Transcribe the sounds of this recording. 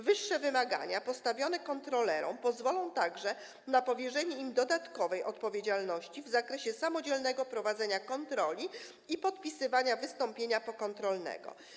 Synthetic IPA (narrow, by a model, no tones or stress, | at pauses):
vɘʂːɛvɘmaɡa̰ɲapɔst̪avʲjɔnɛkɔnt̪ɾɔlɛɾɔ̰̃w̃pɔzvɔlɔ̃w̃t̪aɡʐɛ | napɔvʲjɛʐɛɲɛimd̪ɔd̪at̪kɔvɛjʔɔt̪̚pɔvʲjed͡ʑalnɔɕt͡ɕivzakɾɛɕɛsamɔd͡ʑɛlnɛɡɔpɾɔvad̪zɛɲakɔnt̪ɾɔlʲi | ipɔt̪̚pʲisɘvaɲavɘst̪ɔmpʲjeɲapɔkɔnt̪ɾɔlnɛ̰ɡɔ̰